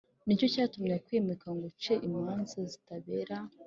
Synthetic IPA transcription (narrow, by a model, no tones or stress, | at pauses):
nico̞caːtumɲekwiːmekaŋɡut͡ʃeʔimanzazi̥taβeɾa